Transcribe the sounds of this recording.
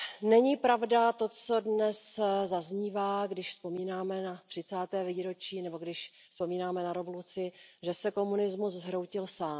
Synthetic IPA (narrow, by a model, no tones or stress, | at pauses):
nɛɲiːpɾavdat̪o̞t͡so̞dnɛszazɲiːvaːɡdɪʃspo̞miːnaːmɛnat̪r̝̥ɪt͡saːt̪ɛːviːɾo̞t͡ʃiːnɛbo̞ɡdɪʃ | spo̞miːnaːmɛnaɾɛvolut͡sɪʒɛsɛko̞munɪzmuszɦɾo̞wcɪlsaːm